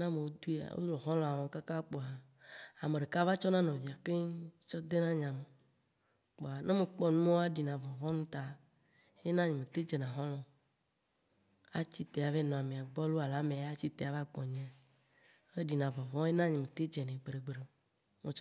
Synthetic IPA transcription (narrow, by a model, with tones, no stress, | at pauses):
nã˦mẽ˨wo˦d̪u˦a̰˨wo̰˦lɔ˨ɦɔ̃˦lɔ̃˨a˨wɔ˨˦ka˦ka˦k͡po˨a˨ | a˨me˨ɖe˨ka˦va˦t͡ʃɔ˦nã˦nɔ̃˨vi˨a˨ɸe˦t͡ʃɔ˦d̪e˦nã˦ɲã˨me˨ | k͡po˨a˨nʔã˦me˨k͡pɔ˦nũ˦mẽ˦wo˦a˦ɖi˨nã˨vɔ˨vɔ̃˦nũ˦t̪a˨ | je˦nã˦ɲẽ˨mẽ˨t̪e˦d͡ʒe˨nã˨ɦɔ̃˦lɔ̃˨ | a̰˦t͡ɕi˦t̪e˨a˨ve˦nɔ̃˨a˨mẽ˨a˨ɡ͡bɔ˦lo˦a˨la˦mẽ˨a˦t͡ɕi˦t̪e˨a˨va˦ɡ͡bɔ˨ɲẽ˨˦˨ | e˦ɖi˨nã˨vɔ̃˨vɔ̃˦e˦nã˦ɲẽ˨mẽ˨t̪e˦d͡ʒe˨nẽ˨ɡ͡bɾe˨ɡ͡bɾe˨ | me˨